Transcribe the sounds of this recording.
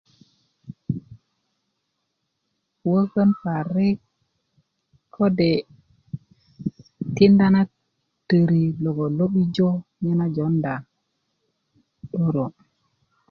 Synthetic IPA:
wə˦kə˦npa˨ɾe˦k | kʰːo˦de˨ | ti˦nda˦na˦ | tə˨ɾi˨lo˨ɡo˨lo˦ɓi˦d͡ʒo˦ɲe˦na˦d͡ʒo˨˦nda˨ | ɗo˦ɾo˨

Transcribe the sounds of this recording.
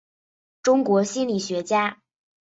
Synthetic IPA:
ʈ͡ʂʊ˥ŋkwɔ˧˥ɕi˥nli˨˩ɕɥɛ˧˥t͡ɕja˥

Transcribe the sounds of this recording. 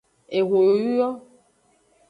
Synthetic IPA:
e˨ɣʷo˨jo˨ju˦jɔ˦

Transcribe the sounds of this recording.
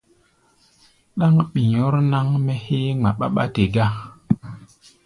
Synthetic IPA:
ɗa˦ŋɓi˨ɲo˦ɾna˦ŋmɛ˦he˦ŋ͡ma˨ɓa̰˦ɓa̰˦te˨ɡa˦

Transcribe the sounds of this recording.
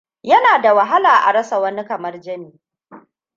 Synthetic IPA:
jɐ˦naː˨da˨wɐ˨ɦa˦laː˨ʔa̰˨ɽɐ˦sa˨wɐ˦ni˦kɐ˨mɐ˦rd͡ʒɐ˦miː˨

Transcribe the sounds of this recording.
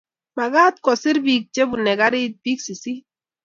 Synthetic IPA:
ma˨ɡa˦t̪kɔ˨sɪ˦ɾbi˦k̚t͡ʃe˦bu˨nɛ˨ɡa˦ɾɪ˦t̪̚bi˦ksi˨si˦

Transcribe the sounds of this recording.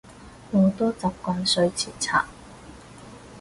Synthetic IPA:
mo˨˧t̪ɔː˥t͡sɐ˨˥p̚kɔː˧nsɵ˧ɥt͡sʰiː˨˩t͡sʰa̰ː˨k̚

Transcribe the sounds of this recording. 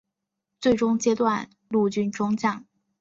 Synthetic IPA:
t͡swe˥˩ɪʈ͡ʂʊ˥ŋt͡ɕjɛ˥t̪wa˥˧n | lu˥˧t͡ɕy˥˩nʈ͡ʂʊ˥ŋt͡ɕjɑ˥˩ŋ

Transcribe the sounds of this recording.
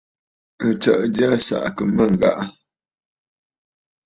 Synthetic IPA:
ə˨t͡ʃə̰˨ʔda˦sa̰˨ʔkə˨mə˦˨ŋ˨ɡa̰˦ʔ

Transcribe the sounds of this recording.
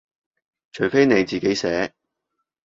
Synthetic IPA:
t͡ʃʰɵ˨˩ɥfe˥jne˨˧jt͡siː˨ke˨˥jsɛː˨˥

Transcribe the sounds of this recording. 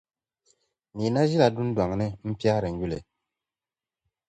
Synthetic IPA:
ni˨na˦zi˦la˨du˦n˦dwa˨ŋnɛ˦m̩˦pja˦ɾɛ˨ŋ˦ɡu˦lɛ̰˨

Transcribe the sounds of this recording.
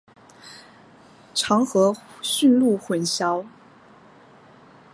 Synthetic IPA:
ʈ͡ʂʰɑ˧˥ŋxɤ˧˥ɕy˥˧nlu˥˩xwə˧˥nɕjɑ˥ʊ

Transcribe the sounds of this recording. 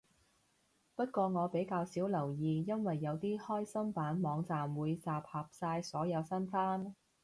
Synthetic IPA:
pɐ˥t̚kʷɔː˧ŋɔː˨˧pe˨˥jkaː˧wsiː˨˥wlɐ˨˩wjiː˨˧jɐ˥nwɐ˨jːɐ˨˧wt̪iː˥hɔː˥jsɐ˥mpaː˨˥nmɔː˨˧ŋt͡saː˨mwuː˨˧jt͡saː˨p̚hɐ˨p̚saː˧jsɔː˨˥jɐ˨˧wsɐ˥nfaː˥n

